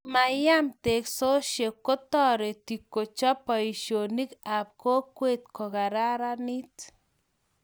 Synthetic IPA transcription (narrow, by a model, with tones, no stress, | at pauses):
ma˨ja˦mt̪e˨kso˦ʃje˨kːo˦t̪ɔ˦ɾe˨t̪i˨kːo˨t͡ʃɔ˦pɔ˨i˨ʃjo˨ni˦ka˨p̚ko˦kwe˦t̪̚ko˨ka˨ɾa˦ɾani˦t̪